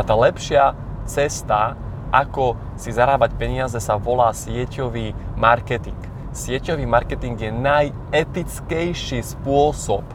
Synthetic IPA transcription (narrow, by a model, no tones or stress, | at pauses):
at̪aːlɛpʃɪa | t͡sɛst̪a | ʔakɔ | sizaɾaːbacpɛɲɪazɛsaʋɔlaːsɪɛcɔʋiːmaɾkɛt̪iŋk | sɪɛcɔʋiːmaɾkɛt̪iŋɡjɛnaj | ɛt̪it͡skɛjʃiːspʊɔsɔp